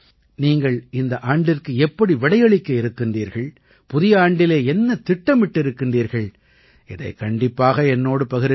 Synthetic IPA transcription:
niːŋɡɐɭɪnd̪ɐʔaːɳɖɪrkɯɛpːɐɽiʋɪɽɐɪjɐɭɪkːɐɪɾɯkːɪndriːɾɣɐɭ | pʊðɪjɐaːɳɖɪleːɛnːɐt̪ɪʈːɐmʋɪʈːɪɾɯkːɪndriːɾɣɐɭ | ɪðɐɪkɐɳɖɪpːaːɣɐɛnːoːɽɯpɐɣɪɾ

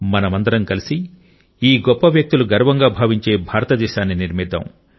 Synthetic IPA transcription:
mɐnɐmɐnd̪ɐɾɐmkɐlisi | iːɡɔpːɐʋjɐk̚t̪uluɡɐɾʋɐŋɡaːbʱaːʋiɲt͡ʃe̞ːbʱaːɾɐt̪ɐd̪ɛːʃaːnːiniɾmid̪ʱɐ̰m

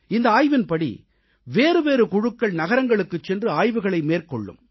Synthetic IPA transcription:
ɪnd̪ɐaːjʋɪnpɐɽḭ | ʋeːɾɯʋeːɾɯkʊɻɯkːɐɭnɐɣɐɾɐŋɡɐɭɯkːɯt͡ʃːɛndrɯaːjʋɯɣɐɭɐɪmeːrkɔɭːɯ̰m

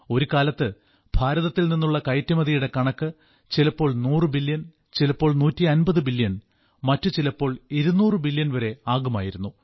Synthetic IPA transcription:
o̞ɾukaːlɐt̪ːɨ | b̥ʱaːɾɐðɐt̪ːilninːuɭːɐkɐjtːɐmɐðijuɽe̞kɐɳɐkːɨ | t͡ɕilɐpːo̞ːɭnuːrɨbiljɐn | t͡ɕilɐpːo̞ːɭnuːtːiɐnbɐðɨbilːjɐn | mɐtːut͡ɕilɐpːo̞ːɭiɾunuːrɨbiljɐnʋɐɾe̞aːɡumaːjiɾunːu

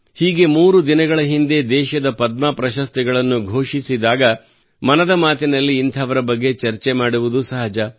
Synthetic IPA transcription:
hiːɡe̞muːɾud̪inɐɡɐɭɐɦind̪e̞d̪ɛːʃɐd̪ɐpɐd̪̚maːpɾɐʃɐst̪ɛɡɐɭɐnːuɡʱoːʂisid̪aːɡɐ | mɐnɐd̪ɐmaːt̪inɐlːiːnt̪ʰɐːʋɐɾɐbɐɡːe̞t͡ʃɐɾt͡ʃe̞maːɽuʋud̪usɐɦɐd͡ʒɐ

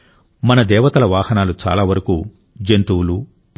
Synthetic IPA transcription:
mɐnɐd̪ɛːʋɐt̪ɐlɐʋaːhɐnaːlut͡ʃa̰ːlaːʋɐɾɐkuː | d͡ʒent̪uwlu | p

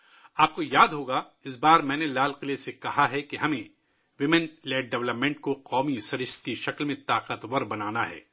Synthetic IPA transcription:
aːp̚kojaːd̪ɦoːɡa | ɪs̬baːɾmɛ̃ːnelaːlqɪlesekɐɦaɦɛkeɦɐmẽ | ʋɪmɛ̃nlɛːʈ̚ɖɛʋləpmẽːɳʈ̚koqɔːmisɐɾɪʃt̪̚kiʃɐklmẽt̪aːqət̪ʋɐɾbɐnaːnaɦɛ̰ː

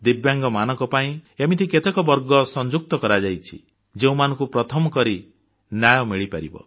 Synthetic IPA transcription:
d̪ibjaŋɡɔmanɔ̃ŋkɔpaĩemit̪ʰiket̪ekɔbɔɾɡɔsɔnd͡ʒuk̚t̪ɔkɔɾad͡ʒajt͡ʃʰi | d͡ʒeũmanɔ̃ŋkupɾɔt̪ʰɔmɔkɔɾi | njajɔmiɭipaɾḭbɔ̰

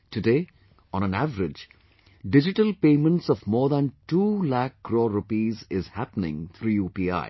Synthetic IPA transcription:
ʈuɖeː | ɔ̃ːñə̃næʋəɾɪd͡ʒ | ɖɪd͡ʒɪʈəlpẽːmə̃nʈsɔʋmɔːɾd̪æ̃nʈuːlækːɾoːɾʊpiːzɪzhæpənɪ̰̃ŋt̪ʰɾuːjuːpiːa̰ɪ

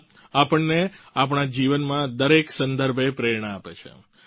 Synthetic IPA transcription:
apəɳːeapɳ̃ad͡ʒiʋənmãd̪əɾeksə̃nd̪əɾbʱepɾeɾɳaapḛt͡ʃʰḛ

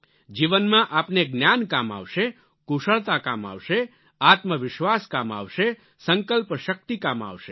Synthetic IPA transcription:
d͡ʒiʋənmãʔapneɡnjankama̰ʋʃe | kuʃəɭt̪akama̰ʋʃe | at̪məʋɪʃʋaskama̰ʋʃe | səŋkəlpʃək̚t̪ikama̰ʋʃe

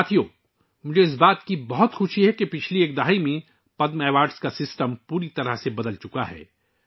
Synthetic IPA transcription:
t̪ʰijoː | mʊd͡ʒʱeɪs̬baːt̪kibɐɦʊt̪xʊʃʰiɦɛkepɪt͡ʃʰlieːkd̪ɐɦaːimẽ | pɐd̪mɛːʋaːɾɖskasɪsʈəmpuːɾit̪ɐɾəɦsebɐd̪əlt͡ʃʊkaɦɛ̰ː

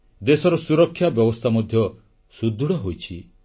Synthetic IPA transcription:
d̪esɔɾɔsuɾɔkʰːjabjɔbɔst̪ʰamɔd̪ʱjɔ | sud̪ʱːuɽɔɦojt͡ʃʰi

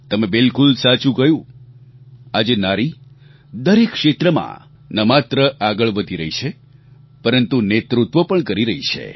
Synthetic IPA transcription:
t̪əmebɪlkulsat͡ʃũkəjũ | ad͡ʒenaɾi | d̪əɾekːʂet̪ɾəmã̰ | nəmat̪ɾəʔaɡəɭʋəd̪ʱiɾəɦit͡ʃʰe | pəɾənt̪unet̪ɾut̪ʋəpəɳkəɾiɾəɦit͡ʃʰḛ

